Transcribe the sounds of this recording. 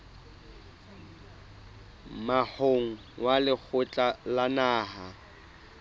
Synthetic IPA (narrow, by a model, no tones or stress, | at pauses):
mahoŋ̩ | walɪk͡xʰʊt͡ɬʼalanaːɦa